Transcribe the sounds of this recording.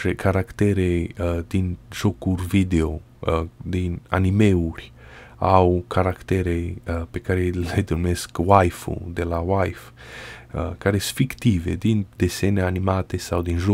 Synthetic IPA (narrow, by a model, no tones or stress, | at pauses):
ekʰaɾakt̪eɾejd̪inʒokuɾvid̪eo | d̪ina̰nimeuɾʲ | awkaɾakt̪eɾejpekaɾejled̪uɾmeskwajfṵd̪elawajf | kaɾesfikt̪ived̪ind̪eseneanimat̪esawd̪inʒo